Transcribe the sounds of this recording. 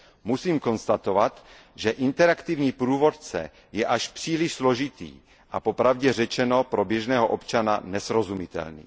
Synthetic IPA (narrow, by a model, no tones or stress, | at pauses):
musiːmko̞nst̪at̪ovat̪ | ʒɛʔɪnt̪ɛɾakt̪ivɲiːpɾuːvot̪̚t͡sɛ̰ | jɛʔaʃpr̥iːliʃsloʒɪt̪ḭː | ʔapopɾavɟɛr̝ɛt͡ʃɛnopɾobjɛʒnɛːɦoʔopt͡ʃana̰nɛsɾozumɪt̪ɛ̰lnḭː